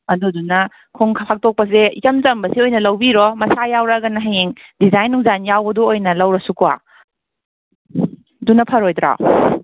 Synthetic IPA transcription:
ɐdudunɐ | kʰoŋkʰpʰak̚tok̚pɐseikɐmzɐmbɐsiojnɐlɐwbiɾɔmɐsajawɾaɡɐnɐɦeŋdizajnːuŋzanjawbɐdɔojnɐlɐwɾɐsukua̰ | dunːɐpʰɐɾojdɾa̰

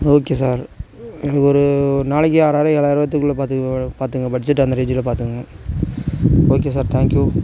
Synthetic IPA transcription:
oːkesaːɾ | kɔɾɯnaːɭɪkːɪaːɾaːɾɐ̃ɛɭaːɪɾɯbɐt̪ːɯkːɯɭɐpaːt̪paːɾt̪ɯŋɡɐbɐʈːd͡ʒɪʈːɐnd̪ɐɾed͡ʒɪlɐpaːɾt̪ɯŋɡɐ | oːkeːs̬aːɾt̪ʰaːŋkju

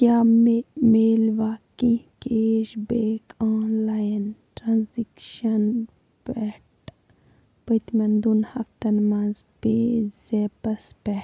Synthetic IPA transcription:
kaːmemeːlʋaːkĩkeʃbeːkʰãːlaːjɐnʈɾanzikʃɐn | pɛʈ | pɐt̪mɐnd̪unhɐ̰kt̪ɐnmɐnzbezeːpɐspɛ

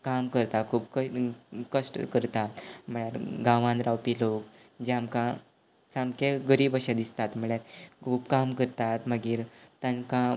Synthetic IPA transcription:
kamkəɾt̪akʰuːpkəkəʂʈkəɾt̪at̪m̤əɭjaɾɡãʋãnd̪ɾawpilokd͡ʑeamkã | samkeɡəɾiːbəɕad̪ist̪at̪m̤əɭjaɾkʰuːbkamkəɾt̪at̪məɡiːɾt̪ãnkã

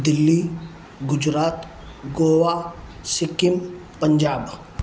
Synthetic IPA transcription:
d̪ɪlːi | ɡʊd͡ʒɾaːt̪ | ɡoːwasɪkɪmpəɲd͡ʒaːb

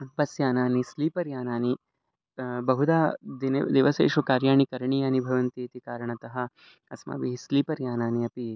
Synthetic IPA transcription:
bɐsjaːnaːnisliːpɐɾjaːnaːni | bɐɦud̪aːd̪ind̪eːʋɐsḛːʃʋɐkaːɾjaːɳikɐɾɳijaːnibʱɐʋɐnt̪eːt̪ikaːɾɐɳɐt̪ɐɦɐ̆ | ɐsma̰ːʋiɦisliːpɐɾjaːnaːniɐpi

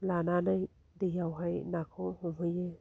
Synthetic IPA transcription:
lananaj | d̪ijawɦajnakʰohumhɯje

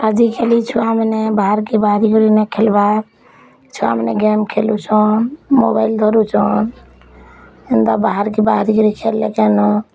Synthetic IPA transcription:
ad͡ʒikʰelit͡ʃʰuamnebaɦaɾkibaɦɾikoɾinɛkʰelba | t͡ʃʰua̰mnḛɡemkʰelut͡ʃʰɔnmobaɪld̪ʱɔɾut͡ʃʰɔn | ind̪abaɦəɾkibaɦɾikɔɾikʰelːekenɔ

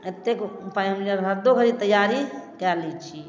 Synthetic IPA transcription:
et̪ːekpaĩɦəmd͡ʒəɾɦəɾd̪okəɾit̪əjaɾikɛɾlɛt͡ʃʰi

